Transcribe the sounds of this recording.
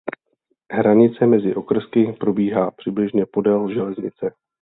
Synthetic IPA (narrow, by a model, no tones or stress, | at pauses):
ɦɾaɲɪt͡sɛmɛzɪʔo̞kr̩skɪpɾo̞biːɦaːpr̥ɪblɪʒɲɛpo̞dɛlʒɛlɛzɲɪ̰t͡sɛ